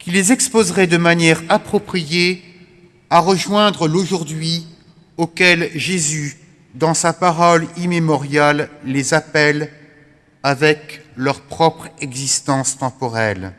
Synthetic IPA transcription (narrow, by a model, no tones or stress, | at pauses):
kʲilezɛkspozʁɛd̪əmanjɛʁapχɔpχije | aʁəʒwɛ̃d̪ʁəloʒuʁd̪ɥi | okʲɛlʒezy | d̪ɑ̃sapaʁɔlimemɔʁjalːezapɛl | avɛklœʁpχɔpχɛɡzist̪ɑ̃st̪ɑ̃pɔʁɛl